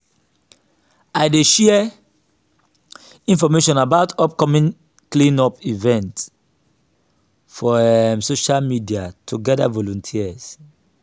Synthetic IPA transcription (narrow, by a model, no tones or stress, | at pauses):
aɪdeʃɛ | ĩnfɔmeʃɔ̃nabaʊtɔp̚kɔmĩŋ | klĩnɔpivɛ̃nt | fɔmsoʃalmidiatʰuɡɛdavɔlɔ̃ntʰiz̥